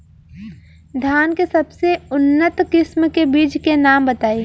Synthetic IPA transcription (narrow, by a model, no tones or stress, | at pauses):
d̪ʱjaːnkesɐbseʊnːət̪kɪsmkebiːd͡ʒkenaːmbət̪aːi